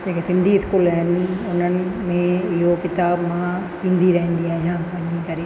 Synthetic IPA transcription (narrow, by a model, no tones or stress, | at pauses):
d͡ʑeːkesɪ̃nd̪ʱiɪskuːlɐɽə̃nd̪iʊn̤ənɪ̆mẽɪɦokɪt̪aːbmãt̪ĩːnd̪iɾɐɦĩːnd̪iaːɦijãːʋɐɲĩkɐɾe